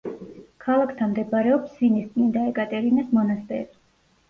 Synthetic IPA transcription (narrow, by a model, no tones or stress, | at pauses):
kʰalˠakʰt̪ʰamd̪ɛbaɾɛɔpsːinist̪ʼnind̪aɛkʼat̪ʼɛɾinɛsmɔnast̪ʼɛ̰ɾi